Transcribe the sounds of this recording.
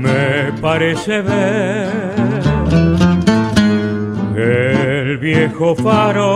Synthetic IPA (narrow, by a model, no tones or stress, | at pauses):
mepaɾeseβeɾ | elβjexofaɾo